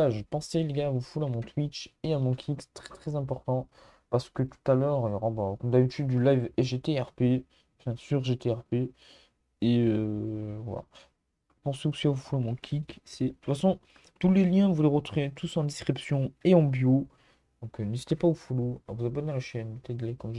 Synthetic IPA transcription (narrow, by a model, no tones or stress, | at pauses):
aʒəpɑ̃seleɡaavofulamɔ̃t̪wit͡ʃeamɔ̃kʲʰikst̪χɛ̥t̪χɛzɛ̃p̬ɔʁt̪ɑ̃ | paʁsə̥kət̪u̥t̪alœːʁjɔʁɑ̃bɔ̃kɔmd̪abit̪ydd̪ylajvɛʒet̪eɛʁpe | ɑ̃fɛ̃syʁʒet̪eɛʁpe | eøva̰la̰ | puʁsəksavufulamɔ̃kʲʰiksɛ̥ut̪fasɔ̃ | t̪uleljɛ̃vuleʁət̪χuvet̪ʰusɑ̃d̪iskχipsjɔ̃eɑ̃bjo | d̪ɔ̃knezit̪epaoufoloɔ̰vuzabɔnalaʃɛnət̪ɛd̪lekɑ̃ʒ